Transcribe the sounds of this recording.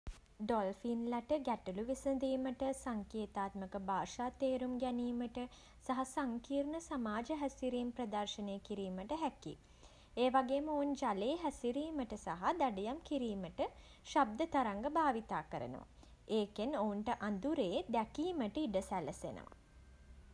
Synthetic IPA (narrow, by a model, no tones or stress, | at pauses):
ɖolfinlaʈəɡæʈuluʋisənd̪iːməʈəsaŋkeːt̪aːt̪məkəbʱaːʃaːt̪eːɾumɡɛniːməʈə | saɦasaŋkiːrnəsamaːd͡ʒəɦæsiɾiːmprɐd̪ɐrʃəneːkiɾiːməʈəɦækḭ | eːʋaɡeːməound͡ʒaleːɦæsiɾiːməʈəsaɦad̪aɖəjamkiɾiːməʈə | ʃab̚d̪ət̪aɾaŋɡəbʱaːʋit̪aːkəɾə̰nə̰ʋa̰ | eːkenounʈəʔand̪uɾeːd̪ækiːməʈəiɖəsæləsḛnə̰ʋa̰